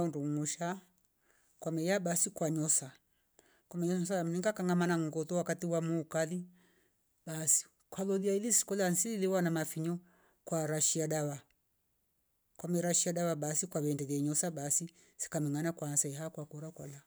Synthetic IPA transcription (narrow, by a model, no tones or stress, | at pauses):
unduŋuʃa | kwamɛjaɓasikwaɲɔsa | kwamɛɲɔsam̩niŋɡakaŋɡamanaŋ̩ɡɔtɔwakatiwamukaði | basi̥ | kwaðɔðiaiðisi̥kɔlansiiðiwanamafiɲɔ | kwaɾaʃiaɗaβa | kwamɛɾaʃiaɗaβaɓasikwaβɛndɛðaɲɔsaɓasi | si̥kamɛŋanakwansaiɦakwakɔɾakwala